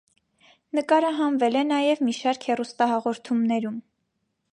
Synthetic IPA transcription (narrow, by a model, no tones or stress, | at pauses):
nəkɑɾɑɦɑnvɛlɛnɑjɛvmiʃɑɾkhɛrust̪ɑɦɑʁɔɾt̪ʰumnɛɾum